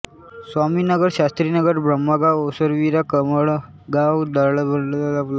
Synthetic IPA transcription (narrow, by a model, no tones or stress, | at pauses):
sʋaminəɡəɽɕast̪ɾinəɡəɾbɾəmːəɡawosəɾʋiɾakəməɭ | ɡawd̪əɾɭbʱənɖd̪alapla